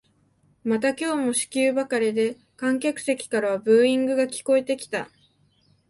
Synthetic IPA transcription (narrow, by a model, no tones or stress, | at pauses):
mat̪akʲo̞ːmo̞ɕi̥kʲɨːbakaɾʲid̪e̞ | kãŋk̬ʲakɯ̟̥se̞kʲi̥kaɾaβabɯ̟ːĩŋɡɯ̟ɡakʲi̥ko̞e̞t̪e̞kʲi̥t̪a̰